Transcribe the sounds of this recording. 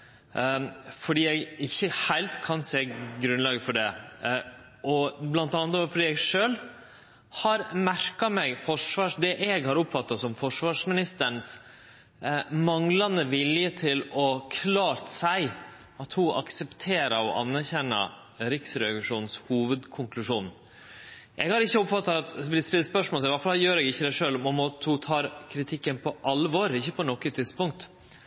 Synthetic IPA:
fɔɖiːɛɡɪçːəhæɪlt̪kʰɑnseːɡɾʉnlɑːɡəfɔɖɛ | ɔblɑnt̪ɑnət̪ɔfɔɖiːɛɡʂøːl | hɑɾmæɾkɑmɛɡfɔʂʋɑːʂd̪ɛʔɛɡhɑɾʊpfɑt̪ːɑsɔmfɔʂʋɑːʂmɪnɪst̪əɳs | mɑŋlɑnəʋɪljət̪ʰɪlɔkʰlɑːɾt̪sæɪ | ɑt̪hʊʔɑ̰ksɛpt̪ʰeːɾəɾɔ̰ʔɑ̰nːæɾçɛnːə̰ | ɾɪksɾɛɑɡʋɪʂuːnnshuːʋəd̪kʰʊŋklʉʂuːn | ʔɛɡhɑɾɪçːəʊpfɑt̪ːɑt̪b̪ɪspɪlspœʂmoɔlt̪ɪlʋɑfɑljøːɾɛɡɪçːəd̪æɪʂøːlɔmɔmot̪hʊt̪ʰɑːɾkʰɾɪt̪ʰɪkːənpʰɔʔɑlʋɔɾɪçːəpɔnɔkːət̪ʰɪd̪spʊŋk̚t̪

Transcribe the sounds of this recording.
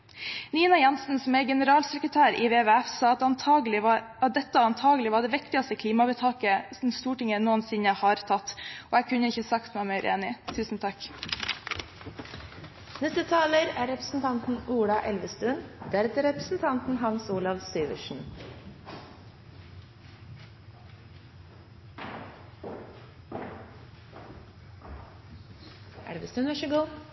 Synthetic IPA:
niːnɑjɛnsn̩sɔmeːɡɛnəɾɑːlsɛkɾət̪ʰæːɾiʋeːʋeɛfsɑːɑt̪ɑnɑɡlɪ | d̪ɛt̪ːəɑnt̪ʰɑːɡəlɪʋɑːɖɛʋɪkt̪ɪɑst̪əkʰliːmɑbət̪ʰɑːkəsn̩st̪uːʈɪŋənuːənsɪɲəhɑːɾt̪ʰɑt̪ːoːækʰʉnəɪçəsɑkt̪nɛmeɾḛːnɪt̪ʰʉːsn̩t̪ʰɑk | nɛst̪ət̪ʰɑːləɾæːɾɛpɾə̥sn̩t̪ʰɑnt̪n̩uːɽɑʔɛlʋəst̪ʉnd̪æɾɛt̪əɾɛpɾəsn̩t̪ʰɑnt̪n̩ɦɑnsuːlɑʋsyːʋə̰ʃɳ̩ | ʔæ̰ɖeʋəst̪ʉnʋæʃəɡuː

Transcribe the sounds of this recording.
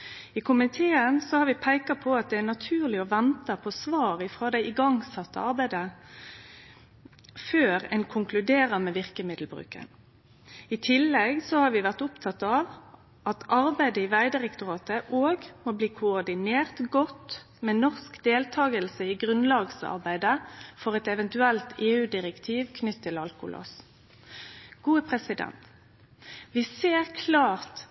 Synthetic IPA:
ɪkʰʊmɪt̪ʰeːənsɔhɑːɾʋɪpʰæɪkɑpʰɔɑt̪̚d̪ɛæʁnɑt̪ʰʉːʁlɪɔʋɛnt̪ɑpʰɔsʋɑːʁɪfʁoːd̪æɪʔɪɡɑŋsɑt̪ːəɑʁbæɪd̪ə | føːʁɛ̰nkʰʊŋklʉd̪eːʁəmɛʋɪʁkəmɪd̪l̩bʁʉ̰ːkə̰n | ɪt̪ʰɪlːɛɡsɔhɑːɾʋɪʋæʁt̪ʊpt̪ʰɑt̪ːɑʋ | ʔɑt̪ʔɑʁbæɪd̪əɪʋæɪd̪ɪʁɛkt̪ʊʁɑːt̪əʔoːɡmobliːkʰʊɔʁd̪ɪneːʁt̪ɡɔt̪ | mɛːnɔʁskd̪eːlt̪ʰɑːɡəlsəiɡʁʉnlɑːɡsɑ̰ʁbæɪd̪əfɔʁɛt̪ɛʋɛnt̪ʉɛlt̪ʰeːʉːd̪ɪʁɛkt̪ʰiːʋkʰnʏt̪ʰːɪlɑlkʊ̰lʔo̰ːs | ɡ̥uːəpʰʁɛsɪd̪ɛ̰nt̪ | ʋɪseːʁkʰlɑːʁt̪

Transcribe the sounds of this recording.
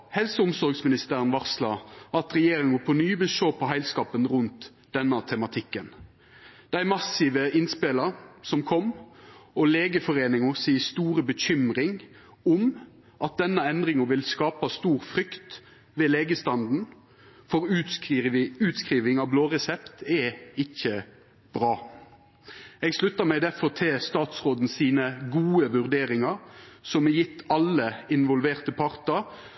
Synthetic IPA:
hɛlsəʊmsɔɾɡsmɪnɪst̪əɾənʋɑʁslɑʔɑt̪ʁɛjeːɾɪŋʊfonyːbəʃoːpʰɔɦæɪlskɑːpənɾʉnt̪ | d̪̥ɛnːət̪ʰɛmɑt̪ʰɪkːən | d̪̥æɪmɑsɪʋəɪnspeləsɔmkʰɔmː | ɔleːɡəfɔʁeːnɪŋʊsiːst̪uːɾəbəçʏmɾɪŋ | ʊm | ʔɑt̪̚d̪ɛnːəɛnd̪ʁɪŋəʋɪlskɑːpɑst̪uːɾfɾʏkt̪ | ʋeːleːɡəst̪ɑnd̪n̩ | fɔʁ | ʉːt̪skʁiːʋɪŋɑʋbloːʁɛsɛpt̪ɛɪçːə | b̥ɾɑː | ɛɡslʉt̪ːəʁmɛd̪æfɔʁt̪ʰest̪ɑːt̪sʁoːd̪n̩siːnəɡuːəʋʉʁd̪eːɾɪŋɑɾsɔmɛjɪt̪ʰːɑlːəɪnʋɔlʋeːʁt̪əpʰɑʁt̪əɾ

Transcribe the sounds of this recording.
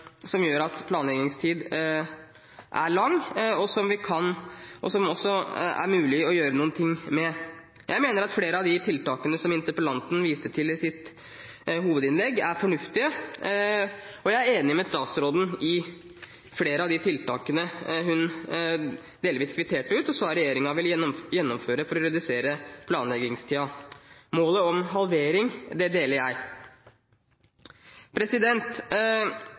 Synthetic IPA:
sɔmjøːɾɑt̪pʰlɑːnlɛɡnɪŋst̪ʰiːd̪ | ʔæ̰ɭɑŋːɔsɔmʋɪkʰɑnʔɔsɔmɔsɔæ̰ɾmʉːlɪɔjøːɾənuːnt̪ʰɪŋːmɛ | jæɪmeːnəɾɑt̪fleːɾəɑʋd̪ɪt̪ʰɪlt̪ɑːkənəsɔmɪnt̪əpəlɑnt̪n̩ʋiːsəʈʰɪlɪsɪt̪ | ɦuːʋəd̪ɪnlɛɡːæɾfɔɳʉft̪ɪə | ɔjæɪæɾeːnɪmɛst̪ɑːt̪sɾoːd̪n̩ɪ | fleːɾəɑʋd̪ɪt̪ʰɪlt̪ɑːkənəɦʉn | d̪eːlʋiːskʰʋɪt̪ʰeːʈəʉːt̪ɔsɑːɾɛjeːɾɪŋɑʋɪlmjɛnːɔmføːɾəfɔɾɔɾɛd̪ʉseːɾəpʰlɑːnlɛɡɪŋst̪ʰɪɑmoːləɔmɦɑlʋeːɾɪŋd̪ɛd̪eːləɾjæɪ | pʰɾɛsɪd̪ɛnt̪

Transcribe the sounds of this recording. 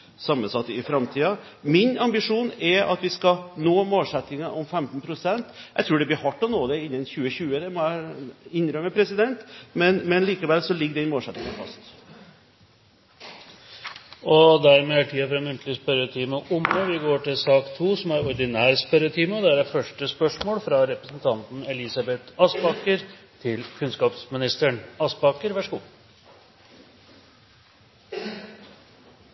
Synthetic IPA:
sɑmːənsɑt̪ːɪfɾɑmt̪ʰiːɑ | mɪnɑmbɪʂuːnɛɾɑ̰t̪ʋɪskɑnoːmoːlsɛt̪ːɪŋɑʔɔmfɛmt̪npʰɾʊsɛnt̪jʔæ̰ɪt̪ʰɾʉːɖɛbliːhɑʈːɔnoːd̪ɛɪnːənçʉːəɕʉːəd̪ɛmɔæɪnːɾœmːəpʰɾɛsɪd̪ɛnt̪mɛnmɛnliːkəʋɛlːsɔlɪɡːəɖɛnmoːlsɛt̪nɪŋɑnfɑ̰st̪ | ɔd̪æɾmeːʈʰiːɑfɾɑɛnmʉnt̪lɪspœɾət̪ʰiːmɑʔʊməʋɪɡoːʈɪlsɑːkt̪ʰuːsɔmæɾɔɾd̪ɪnæːɾspæɾət̪ʰiːmɑd̪ɛæɖæfœʂʈəspœʂmoːlfɾɑɾɛpɾəsn̩t̪ʰɑnt̪n̩ɛlɪsɑbɛt̪ɑsbɑkəɾt̪ʰɪlkʰʉnskɑːpsmɪnɪst̪əɳɑsbɑkəɾʋæʂkṵː

